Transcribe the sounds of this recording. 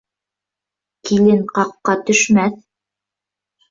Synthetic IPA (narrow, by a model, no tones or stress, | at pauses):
kilɘnqɑqːɑt̪ɵ̆ʃmæθ